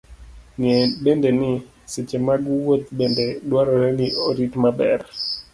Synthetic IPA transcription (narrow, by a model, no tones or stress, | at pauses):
ŋebendenɪ | set͡ʃemaɡwot̪̚bendedwaɾɔɾɛnɪoɾitmabɛ̰ɾ